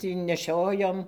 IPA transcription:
tʲiː nʲɛˈʃʲoːjoːm

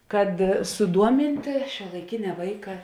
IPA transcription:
kɐt sʊˈduɔmʲɪnʲtʲeː ʃʲuɔlˠɐɪˈkʲɪnʲɛ ˈʋɐɪkɐ

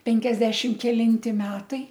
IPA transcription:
ˈpʲɛŋʲkʲɛzʲdʲɛʃʲɪm kʲɛlʲɪnʲˈtʲɪ ˈmʲæːtɐɪ

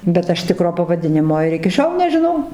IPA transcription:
bʲɛt ˈɐʃ ˈtʲɪkroː pɐʋɐˈdʲɪnʲɪmoː ɪr ɪkʲɪ ˈʃʲoːlˠ nʲɛʒʲɪˈnɐʊ

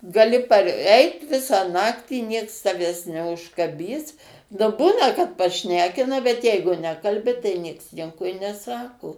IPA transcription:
ɡɐˈlʲɪ pɐrʲˈɛɪt ˈʋʲɪsɑː ˈnɑːktʲiː nʲiɛks tɐˈʋʲæːs nʲɛʊʃkɐˈbʲiːs nʊ ˈbuːnɐ kɐt pɐˈʃʲnʲæːkʲɪnɐ bʲɛt ˈjɛɪɡʊ ˈnʲæːkɐlʲbʲɪ tɐɪ ˈnʲiɛks ˈnʲiɛkoː ɪ nʲɛˈsɑːkoː

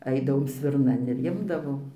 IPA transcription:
ˈɐɪdɐʋoːm sʲʋʲɪrˈnɐn ɪr ˈɪmdɐʋoːm

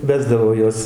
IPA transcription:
ˈʋʲæːzdɐʋoː ˈjuɔs

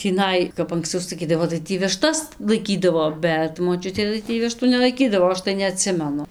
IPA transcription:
tʲiːˈnɐɪ kɐp ɐŋksˈt͡sɐʊ sɐˈkʲiːdɐʋoː tɐɪ ˈtʲiː ʋʲɪˈʃtɐs lˠɐɪˈkʲiːdɐʋoː ˈbʲɛt moːˈt͡ʃʲʊtʲeː tɐɪ ˈtʲiː ˈʋʲɪʃtuː nʲɛlˠɐɪˈkʲiːdɐʋoː ˈɐʃ tɐɪ nʲɛɐˈtʲsʲɪmʲɛnʊ

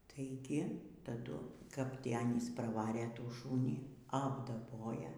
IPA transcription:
tɐɪ ˈɡʲɪ tɐˈdʊ kɐp ˈtʲiː ˈɑːnʲiːs prɐˈʋɑːrʲeː ˈtuː ˈʃuːnʲiː ɐbdɐˈboːjɛ

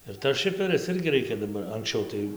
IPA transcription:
ɪr tɐs ˈʃʲɪfʲɛrʲɪs ˈɪrʲɡʲɪ ˈrʲɛɪkʲɛ dɐˈbɐr ɐŋksʲˈt͡ʃʲɛʊ tɐɪ

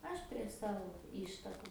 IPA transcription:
ˈɐʃ pʲrʲiɛ ˈsɑːʋoː ˈɪʃtɐkʊ

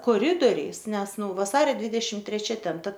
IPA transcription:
koːˈrʲɪdoːrʲɛɪs ˈnʲɛs ˈnʊ ʋɐˈsɑːrʲoː ˈdʲʋʲiːdʲɛʃʲɪm tʲrʲɛˈt͡ʃʲɛ ˈtʲɛn ˈtɐ

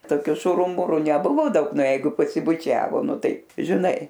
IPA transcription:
toːˈkʲʊ ˈʃʊrʊ ˈmʊrʊ nʲɛˈbʊʋoː ˈdɐʊk ˈnɐ ˈjɛɪɡʊ pɐsʲɪbʊˈt͡ʃʲæːʋoː ˈnʊ ˈtɐɪ ʒʲɪˈnɐɪ

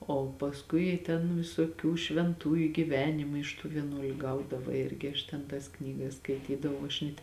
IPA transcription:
ˈoː pɐsˈkʊɪ tʲɛn ʋʲɪsoːˈkʲuː ʃʲʋʲɛnˈtuːjʊ ɡʲɪˈʋʲæːnʲɪmɐɪ ɪʃ ˈtuː ʋʲiɛˈnuɔlʲʊ ɡɐʊˈdɑːʋɐ ˈɪrʲɡʲɪ ɐʃ tʲɛn ˈtɐs ˈknʲiːɡɐs skɐɪˈtʲiːdɐʋɐʊ ɐʃ nʲɛtʲ

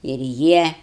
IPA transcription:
ɪr ˈjiɛ

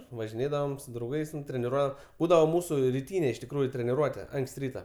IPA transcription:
ʋɐʒʲɪˈnʲeːdɐʋoːm sʊ drɐʊˈɡɐɪs tʲɛn tʲrʲɛnʲɪˈruɔ ˈbuːdɐʋoː ˈmuːsʊ rʲɪˈtʲiːnʲeː ɪʃ tʲɪkˈruːjʊ tʲrʲɛnʲɪˈruɔtʲɛ ˈɐŋksʲtʲ ˈrʲiːtɐ

